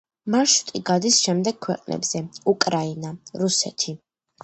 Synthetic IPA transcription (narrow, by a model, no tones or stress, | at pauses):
maʃu̥t̪ʼiɡad̪isʃɛmd̪ɛɡ̚kʰːwɛqʼnʔɛ̰bz̥ɛukʼɾainaɾusɛ̰t̪ʰi